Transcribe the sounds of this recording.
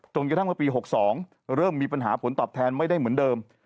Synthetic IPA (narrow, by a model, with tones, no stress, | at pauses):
t͡ɕo˧nkt̪ʰa˥˩m˥˩piː˧ɦo˨˩k̚sɔː˩˦ŋ | ɾɤː˥˩mːiː˧pa˧nɦaː˩˦pʰo˩˦nt̪ɔː˨˩p̚t̪ʰɛː˧nma˥˩jda˥˩jmɯ˩˦əndɤː˧m